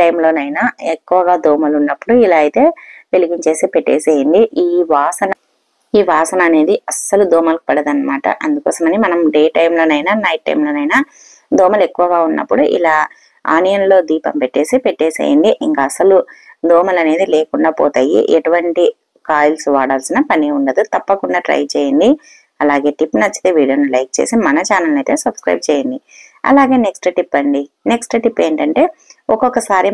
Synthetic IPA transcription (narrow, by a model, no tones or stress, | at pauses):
ɐjmlo̞ːnɐjnaːekːuʋɐɡaːd̪ɔːmɐlunːɐpːuɽuilaːjit̪e̞ːʋe̞liɡiɲt͡ʃe̞ːsipeʈːeːseːjɐɳɖiʔiːʋaːsɐnɐ | iːʋaːsɐnɐːne̞ːd̪iɐsɐlud̪ɔːmɐlki̥pɐɽɐd̪ɐnːɐmaːʈɐ̰ʔɐnd̪ukɔ̰ːsɐmɐnimɐnɐmɖeːʈɐjmlo̞ːnɐjnaːnɐjʈ̚ːɐ̰jmlo̞ːnɐjnaː | d̪ɔːmɐle̞kːuʋɐɡaːunːɐ̰pːuɽuʔḭlaː | a̰ːnɐjɐnlo̞ːd̪iːpɐmpeʈːe̞ːsipeʈːeːsḛːjɐ̰ɳɖiʔiŋkaːsɐlud̪ɔːmɐlɐne̞ːd̪ileːkuɳɖaːpɔːt̪ɐjḭʔeʈuʋɐɳʈi | kaːjulsuʋaːɽaːlsinɐpɐniuɳɖɐd̪ut̪ɐpːɐkuɳɖaːʈɾɐ̰jt͡ʃeːjɐnd̪i | ɐlaːɡe̞ːʈipːnɐt͡ʃːi̥t̪eʋiːɖijoːnulɐjk̚t͡ʃeːsimɐnɐt͡ʃaːnɐlnɐjt̪e̞ːsɐbskɾɐ̰jb̚t͡ʃeːjɐnd̪i | ɐ̰laːɡe̞ːneksʈʈipːɐɳɖineksʈʈipːe̞ːɳʈɐɳʈe̞ːɔkɔkːɐsaːɾi